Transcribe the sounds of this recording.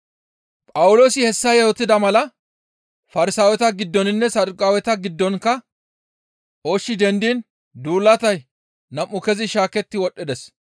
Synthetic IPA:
pʼɐwʊloːsɪhɛsːɐjɛhɔt̪ːɪd̪ɐmɐlɐ | fɐɾɪsaːwɛt̪ɐɡɪd̪ːɔnɪnːɛsɐd̪ʊkʼaːwɛt̪ɐɡɪd̪ːɔnkːɐ | ʔoːʃːɪd̪ɛnd̪iːn | d̪uːlːɐt̪ɐj | nɐmːʊkɛzɪʃaːkɛt̪ːɪwɔɗːɪd̪ɛs

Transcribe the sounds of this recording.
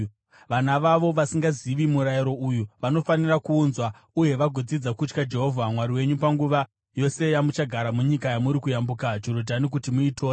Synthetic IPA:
ʋanaʋaʋo̞ʋasiŋɡaziʋimuɾajiɾo̞ujuʋano̞fanirakuːnzwa | uje̞ʋaɡʱod͡zid͡zakut͡ʃkad͡ʒe̞ɦo̞vʱamwaɾiwe̞ɲupaŋɡuʋa | jo̞se̞jamut͡ʃaɡʱaɾamuɲikajamuɾikujambukad͡ʒo̞ɾodʱanik̬utimuitʰoː

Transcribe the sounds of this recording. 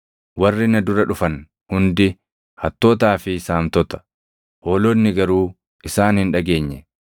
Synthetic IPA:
wɐrːɪnɐd̪ʊɾɐᶑʊfɐn | hʊnd̪ɪ | hɐt̪ːoːt̪̬aːfɪsaːmt̪ɔt̪ɐ̥ | hoːloːnːɪɡɐɾuː | ɪsaːnhɪnᶑɐɡe̞ːɲːɛ

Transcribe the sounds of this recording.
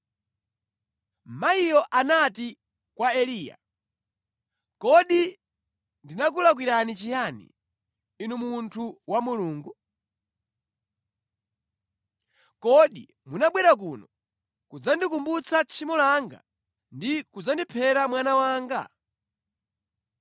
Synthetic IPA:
maijɔʔanati | kwaɛliːja̰ | kɔɗi | ndinak̬ulak̬wiɾanit͡ʃijanḭː | numuntʰuwamuluːŋɡu | kɔɗi | munaɓwɛɾak̬unɔ | kud͡zandikumbut͡sʰat͡ʃʰimɔlaŋɡa̰ | ndikud͡zandipʰɛɾamwanawaːŋɡa̰

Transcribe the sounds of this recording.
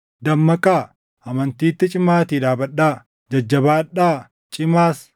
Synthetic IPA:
d̪ɐmːɐkʼaː | ʔɐmɐnt̪iːt̪ːɪt͡ʃʼɪmaːt̪iːᶑ̪aːbɐᶑːaː | d͡ʒɐd͡ʒːɐbaːᶑaː | t͡ʃʼɪmaːs

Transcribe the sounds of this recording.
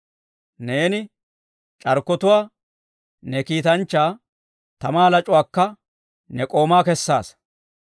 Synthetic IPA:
ne̞ːnɪ | t͡ʃʼɐɾkːɔt̪ʊwaː | nɛkiːt̪ɐnt͡ʃːaː | t̪ɐmaːlɐt͡ʃʼʊwaːkːɐ | nɛkʼo̞ːmaːkɛsːa̰ːs

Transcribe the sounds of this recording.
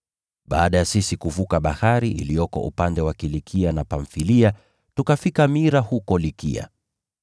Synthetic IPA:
ɓa̰ːɗajasisikuvukaɓahaɾiʔḭlijɔkɔ̰ʔṵpandɛwakilikʰianapaɱfilia | tukafikamiɾahukɔlikḭa̰

